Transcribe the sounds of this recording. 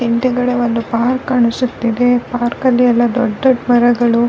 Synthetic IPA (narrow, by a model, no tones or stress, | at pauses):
iɳʈ̪eɡɐɽeʋond̪upaːɾkɐɳusut̪ːid̪e̞paːɾkɐlːiɛlːɐd̪ɔɖːɔɖmɐɾɐɡɐɭu